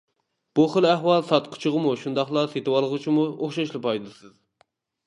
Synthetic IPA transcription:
b̥uχəlæhwɑlˠsɑt̪qʰʊ̥t͡ʃʰɨʁəmuʃund̪ɑχlˠɑset̪ɨwɑlˠəʁɨt͡ʃʰimuoχʃɑʃlˠɨpɑjd̪ɨsɨz

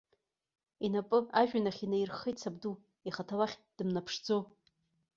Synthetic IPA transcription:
inapʼɨaʒᶣanaχʲinajrχejtsabdu | iχatʰawaχʲd̥ɨmnapʰʂd͡zo

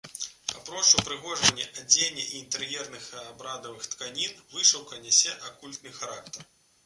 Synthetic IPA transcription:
apɾɔt͡ʂupɾɨɣɔʐɐnʲːɛʔad͡zʲenʲːɐʔiːnt̪ɛɾjɛrnɨxabɾad̪ɐvɨxt̪kanʲinvɨʂɐwkɐnʲasʲɛʔakulʲt̪nɨxaɾak̚t̪ɐr

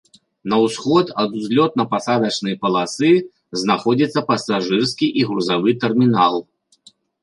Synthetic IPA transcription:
nɐwsxɔt̪ɐd̪uzʲlʲɔt̪̚nɐpasad̪ɐt͡ʂnɨjɐpɐlˠasɨ | znaxɔd͡zʲit̪sːɐpɐsaʐɨrskʲiʔiɣɾuzavɨt̪ɛrmʲinalˠ

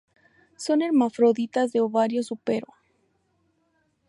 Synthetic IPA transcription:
so̞ne̞ɾmafɾoðit̪azðe̞oβaɾjosupeɾo

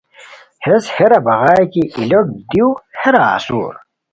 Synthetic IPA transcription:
hesheɾɐbɐʁaːjkiʔilok̚d̪iwheɾa̰ːsṵɾ

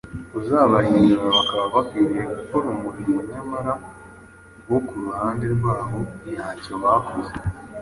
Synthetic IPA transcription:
uzaːβajiɲmaβakaβaβakwiɾiɾekakoɾomuɾijeɲamaɾa | ɡwokuɾuhaːndeɾɡwaːɦo̞jaːɲcoβakuze

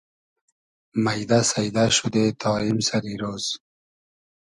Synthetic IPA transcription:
majd̪asajd̪aʃud̪et̪ʰɑːimsaɾiɾoːz̥

